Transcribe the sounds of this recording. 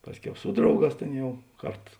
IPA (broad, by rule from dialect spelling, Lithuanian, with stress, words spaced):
ˈpɑːsʲˌkʲɛʊ ˈsʊ drɐʊˌɡɑːs ˈtʲeːn ˈjɛʊ ˈkɐrt